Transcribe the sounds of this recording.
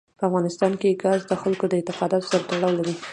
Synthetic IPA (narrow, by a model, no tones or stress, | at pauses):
pəafɣɑnɪst̪ɑnkeɡɑzd̪əxalkod̪əɪnt̪ɪqɑd̪ɑt̪o̥saɾat̪aɽɑwlaɾi